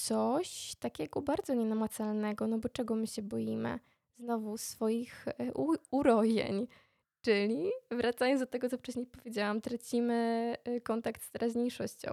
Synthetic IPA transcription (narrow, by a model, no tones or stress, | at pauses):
t̪sɔɕt̪akʲɛɡɔbaɾd̪zɔɲɛnamat̪salnɛɡɔnɔbɔt͡ʂɛɡɔmɘɕɛbɔjimɘ̰ | znɔvusfɔjixuuɾɔjɛ̰ɲ | t͡ʂɘlʲivɾʔat̪sajɔnzd̪ɔt̪ɛɡɔt̪sɔft͡ʂɛɕɲejpɔvʲjed͡ʑawamt̪ɾat͡ɕimɘkɔnt̪akt̪st̪ɛɾʔaʑɲejʂɔɕt͡ɕɔ̰̃w̃